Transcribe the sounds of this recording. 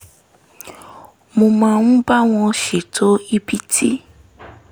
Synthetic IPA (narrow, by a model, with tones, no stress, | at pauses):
mõ˧mã˧ñ̩˦ba˦w̃ɔ̃˧ʃe˨tʰo˨˦i˦bi˦tʰi˦